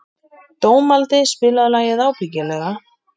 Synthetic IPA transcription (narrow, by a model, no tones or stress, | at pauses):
t̪oːwmalt̪ɪspɪːlaðlaːjɪðaːwpicɪlɛːɣa